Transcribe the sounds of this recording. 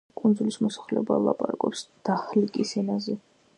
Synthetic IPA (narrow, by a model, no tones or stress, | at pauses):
kʼund̪zulismɔsḁχlɛɔba̰lˠa̰pʼaɾakʼɔpsd̪̥aχlikʼisɛnazɛ